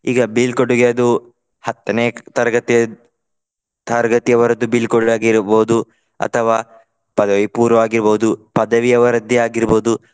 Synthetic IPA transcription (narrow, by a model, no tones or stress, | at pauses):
iːɡɐbilkoɽuɡeɐd̪u | hɐt̪ːɐneːt̪ɐɾɐɡɐt̪ijɐ | t̪ɐɾɡɐt̪ijɐʋɐɾɐd̪ːubilkoɽaːɡiɾboːd̪u | ɐ̰t̪ʰɐʋaː | pɐd̪ɐʋipuːɾɐʋaːɡiɾboːud̪upɐd̪ɐʋijɐʋɐɾɐd̪ːiaːɡiɾboːd̪u